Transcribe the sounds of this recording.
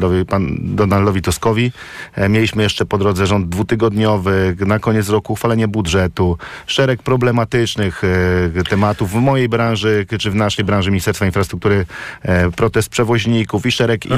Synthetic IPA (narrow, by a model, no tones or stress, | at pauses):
ɔvpand̪ɔnalːɔvʲit̪uskɔvʲi | mʲjelʲiɕmɘjɛʂt͡ʂɛpɔd̪ɾɔd̪zɛʐɔnd̪̚d̪ːvut̪ɘɡɔd̪ɲɔvɘnakɔɲɛt̪sɾɔkuxfalɛɲɛbudʐɛt̪uʂɛɾɛk̚pɾɔblɛmat̪ɘt͡ʂnɘxt̪ɛmat̪uvːmɔjejbɾãnʐɘt͡ʂɘvnaʂɛjbɾãnʐɘmʲɲist̪ɛɾst̪fainfɾast̪ɾuk̚t̪uɾɘ | pɾɔt̪ɛst̪̚pʂɛvɔʑɲikufiʂɛɾɛk